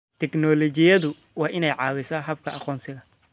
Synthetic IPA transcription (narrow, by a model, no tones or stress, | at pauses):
t̪ʰɛknɔlɔt͡ʃɪjɐðʊ | wɑːʔɪnɛjʕɑːwɪsɐːɦɐb̚kʰɐʔɑqɔːnsɪɣɐ